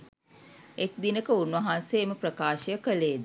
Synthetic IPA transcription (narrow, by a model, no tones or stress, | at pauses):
ek̚d̪inəkəunʋɐɦanseːməprəkaːʃəjəkəleːd̪